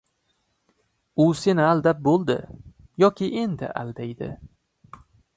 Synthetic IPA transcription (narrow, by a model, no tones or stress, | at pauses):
ʊse̞nɪald̪ap̚bolˠd̪ɪ̰ | jɒkʲʰɪʔe̞nd̪ɪ̰ʔa̰ld̪ajd̪ɪ̰